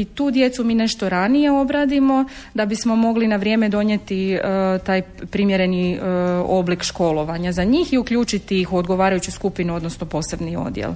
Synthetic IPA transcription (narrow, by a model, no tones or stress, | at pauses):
it̪uːd̪je̞t̪sumiːne̞ʃt̪oɾanije̞o̞bɾaːd̪imo̞ | d̪abismo̞mo̞ɡlinaʋɾje̞ːme̞d̪o̞ɲjet̪it̪aːj | pɾimjeɾe̞ni | o̞blikʃko̞lˠo̞ʋaɲazaɲiːxiukʎuːt͡ʃit̪iixuod̪ɡo̞ʋaːɾajut͡ɕuskupinuo̞d̪nosnopo̞ːse̞bnio̞̰d̪jḛl